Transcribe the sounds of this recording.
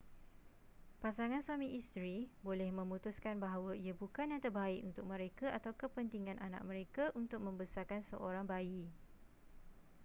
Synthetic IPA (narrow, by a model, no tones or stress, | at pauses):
pasaŋãnswamĩʔist̪ɾibolɛhmə̃mũt̪uskanbaɦawaiabukanjaŋt̪ərbaiʔunt̪ʊk̚mə̃ɾekaʔat̪awkəpənt̪iŋãnʔanã̰ʔ̚mə̃ɾekaʔunt̪ʊk̚mə̃mbəsarkansə̰ʔoɾaŋbai